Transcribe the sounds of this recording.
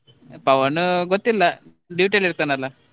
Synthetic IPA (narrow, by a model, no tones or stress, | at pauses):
pɐʋɐnɡot̪ːilːa | ɖiʈeliɾt̪anɐla